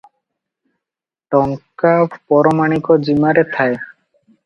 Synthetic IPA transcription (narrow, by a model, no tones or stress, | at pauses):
ʈɔŋkapɔɾɔmaɽ̃ikɔd͡ʑimaɾet̪ʰae